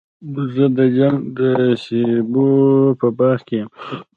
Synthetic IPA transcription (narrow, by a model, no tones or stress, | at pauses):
d̪zəd̪əd͡ʒaŋɡd̪əʃebopəbɑχkejem